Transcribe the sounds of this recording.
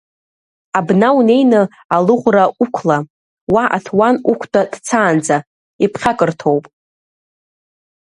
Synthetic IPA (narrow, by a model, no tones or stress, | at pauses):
abnawne̞jnɨ | alɨʁʷraukʷʰla | waʔa̰tʰwanukʷʰdʼad̥t͡sʰaːnd͡za | ipʰχʲakʼɨrtʰo̞wpʼ